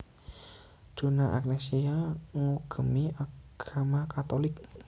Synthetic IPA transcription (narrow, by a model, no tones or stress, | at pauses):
d̥o̤naʔa̰knɛsiaŋuɡ̥ə̤miʔaɡ̥amakat̪olɪk̚